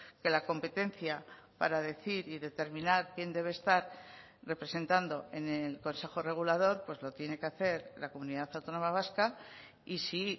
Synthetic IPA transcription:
ke̞lako̞mpe̞t̪e̞nθjapa̰ɾaðe̞θiɾiðe̞t̪e̞ɾmĩnaɾkje̞nd̪e̞βe̞ːst̪aɾ | re̞pɾe̞se̞nt̪and̪o̞e̞nelko̞nse̞xo̞re̞ɣ̞ulað̞o̞ɾpwe̞zlo̞t̪je̞ne̞ke̞aθe̞ɾlako̞muniðaθawt̪ono̞maβ̞aska | isi

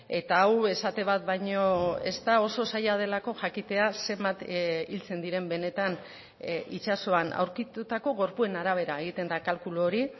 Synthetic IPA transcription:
e̞t̪aawe̞sat̪e̞β̞at̪βajɲo̞e̞̰st̪ao̞so̞sajað̞e̞lako̞ʝakit̪e̞ase̞mbat̪ilt͡se̞nd̪iɾe̞mbe̞ne̞t̪an | it͡ʃaso̞ana̰wɾkit̪ut̪ako̞ɣ̞o̞ɾpue̞naɾaβ̞e̞ɾae̞ɣ̞it̪e̞nd̪akalkuloːɾi

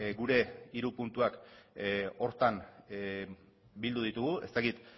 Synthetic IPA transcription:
ɡuɾe̞iɾupunt̪uak | o̞ɾt̪an | bild̪uð̞it̪uɣue̞̰st̪akit̪

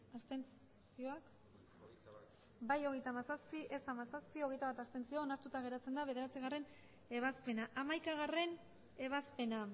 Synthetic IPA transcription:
ast̪ent͡s | t͡sio̞ak | bajo̞ɣ̞e̞jt̪aːmasaspiʔe̞samasaspio̞ɣe̞jt̪aβat̪ast̪e̞nt͡sioːnaɾt̪ut̪aɣe̞ɾat͡se̞nd̪aβ̞e̞ðe̞ɾat͡siɣare̞n | e̞β̞aspe̞naʔamajkaɣ̞are̞n | e̞βaspe̞na

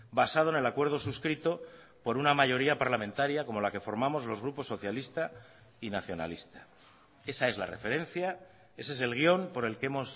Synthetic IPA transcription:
basað̞one̞lakwe̞ɾð̞o̞suskɾit̪o̞ | po̞ɾunamaʝo̞ɾiapaɾlamẽ̞nt̪aɾjako̞mo̞lake̞fo̞ɾmamo̞zlo̞zɣ̞ɾupo̞sːo̞θjalist̪a | inaθjo̞na̰list̪ḁ | e̞sae̞zla̰re̞fe̞ɾẽ̞n̟θja | e̞sese̞lɣ̞jo̞mpo̞ɾe̞lke̞mo̞s

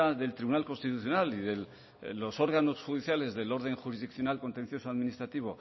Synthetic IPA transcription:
aðe̞lt̪ɾiβunalko̞nst̪it̪uθjo̞naliðe̞l | lo̞so̞ɾɣano̞sxuðiθjale̞zðe̞lo̞ɾðe̞ŋxuɾizðikθjo̞nalko̞nt̪e̞nθjo̞soaðminist̪ɾat̪iβ̞o̞

